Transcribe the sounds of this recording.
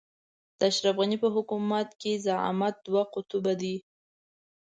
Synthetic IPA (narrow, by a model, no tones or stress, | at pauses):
d̪̥əaʃɾafɣanipəɦʊkumat̪kezaa̰mat̪̚d̪̥waqʊt̪ubad̪i